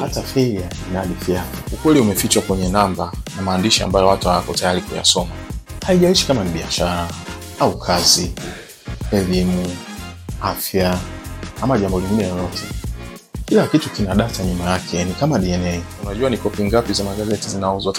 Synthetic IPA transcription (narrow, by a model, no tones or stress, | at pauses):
hatafɛɾia | inaɗifiaaukwɛliumɛfit͡ʃakwɛɲɛnambanamaːndiʃia̰mbajɔwatuhawakɔtajaɾikuja̰sɔmahaiʄaiʃi̥kamaniɓiaʃaɾa | aukʰazi | ɛlimu | afja | amaʄambɔliŋɡinɛjɔlɔtʰɛ | kilakitukinaɗataɲumajakʰɛjanikamaɗiɛnɛiunaʄuwanikɔpiŋɡapizamaɠazɛtizinauza